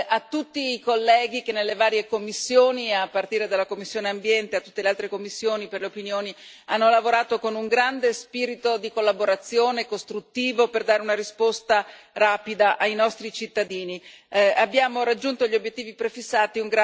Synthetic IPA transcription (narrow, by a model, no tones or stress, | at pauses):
at̪ːut̪ːiːkolːɛːɡikenːelːevaːɾjekomːisːjoːniapːart̪iːɾed̪alːakomːisːjoːneambjɛnt̪eat̪ːu̥t̪ːelealt̪ɾekomːisːjoːniperleopinjoːni | anːolavoɾaːt̪okonuŋɡɾand̪espiːɾit̪od̪ikolːaboɾat̪sːjoːnekost̪ɾut̪ːiːvoperd̪aːɾeunaɾispost̪araːpid̪aʔajnɔst̪ɾit͡ʃit̪ːad̪iːni | abːjaːmoɾad͡ʒːunt̪oʎiobjet̪ːiːvipɾefisːaːt̪iuŋɡɾa